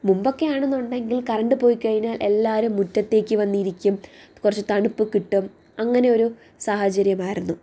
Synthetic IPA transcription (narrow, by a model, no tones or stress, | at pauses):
mumbo̞kːe̞aːɳenːuɳɖe̞ŋɡilkɐrɐɳɖɨpo̞ːjikɐɻiɲaːlʔe̞lːaːɾumːutːɐt̪ːe̞ːkʲːɨʋɐnːiːɾikʲːumkurɐt͡ɕːɨt̪ɐɳupːɨkiʈːum | ɐŋːɐne̞o̞ɾu | saːhɐt͡ɕɐɾjɐmaːjiɾunːu